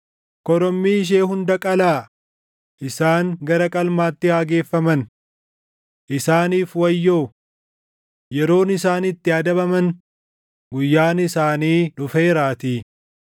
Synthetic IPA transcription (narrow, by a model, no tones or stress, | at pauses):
kɔɾɔmːiːɪʃ̬eːɦʊnd̪ɐkʼɐlaː | ʔɪsaːŋɡɐɾɐkʼɐlmaːt̪ːɪhaːɡe̞ːfːɐmɐn | ʔɪsaːniːfwɐjːoː | jɛɾo̞ːnɪsaːnɪt̪ːɪɐd̪ɐbɐmɐn | ɡʊjːaːnɪsaːniːᶑʊfe̞ːɾaːt̪iː